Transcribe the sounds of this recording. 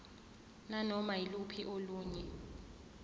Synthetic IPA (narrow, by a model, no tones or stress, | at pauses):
nanɔmailupʰiʔoluːɲɛ